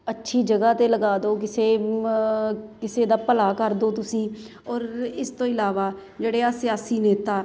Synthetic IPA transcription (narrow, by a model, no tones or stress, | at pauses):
ətːʃʰiːd͡ʒəɡaːt̪eːləɡaːd̪oːk̬ɪseː | kɪseːd̪aːpəlaːkəɾd̪oːt̪ʊsĩː | ɔːɾɪst̪õːɪlaːʋaː | d͡ʒeːɽeːaːsɪjaːsiːneːt̪aː